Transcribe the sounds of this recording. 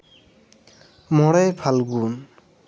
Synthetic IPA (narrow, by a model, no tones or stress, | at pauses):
mɔɽajpʰalɡun